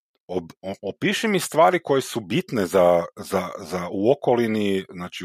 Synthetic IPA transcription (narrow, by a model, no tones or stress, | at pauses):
obopiːʃimist̪ʋaːɾiko̞jesubit̪nezazazauokoliniznaːt͡ʃi